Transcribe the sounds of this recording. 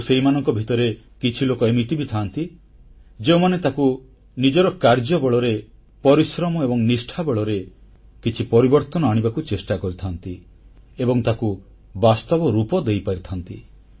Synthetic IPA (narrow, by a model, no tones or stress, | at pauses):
seɦimanɔŋkɔbʱit̪ɔɾe | kit͡ʃʰilokɔemit̪ibit̪ʰant̪i | d͡ʒeumanet̪aku | nid͡ʒɔɾɔkaɾd͡ʒɔbɔɭɔɾe | pɔɾisɾɔmɔebɔŋnisʈʰabɔɭɔɾe | kit͡ʃʰipɔɾibɔɾt̪ɔnɔaɽ̃ibakut͡ʃesʈakɔɾit̪ʰant̪i | ebɔŋt̪aku | bast̪ɔbɔɾupɔd̪ejpaɾit̪ʰant̪i